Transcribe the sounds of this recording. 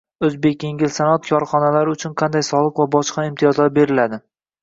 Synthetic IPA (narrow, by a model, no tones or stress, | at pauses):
ɵzbe̞kʲje̞ŋʲɪlsanɒt̪̚kʰɒɾχɒnalaɾɪʊt͡ʃʰʊnqʰɑnd̪ajsɒlˠɨqvabɒʃqɑɪmt̪ʰijɒzlaɾbe̞ɾɪlad̪ɪ